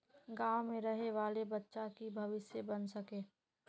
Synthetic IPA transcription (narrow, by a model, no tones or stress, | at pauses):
ɡaːwmẽɾɐɦeʋaːlebɐtːʃakibʱɐʋɪsjebənsɐkeː